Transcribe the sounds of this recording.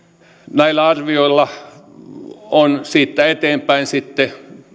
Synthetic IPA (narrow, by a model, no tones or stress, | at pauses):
næilːˑæɑrʋioilːɑ | onsiːt̪ːæet̪eːmpæinsit̪ːe